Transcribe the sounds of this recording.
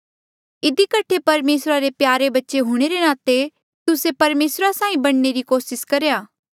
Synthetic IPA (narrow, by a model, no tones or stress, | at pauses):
ɪd̪ikɐʈʰepɐɾmeːsɾaɾepjaːɾebɐtːʃeɦʊɽ̃eɾenaːt̪e | t̪ʊsepɐɾmeːsɾasãːĩbɐɽ̃neɾikoːsɪskɐɾjaː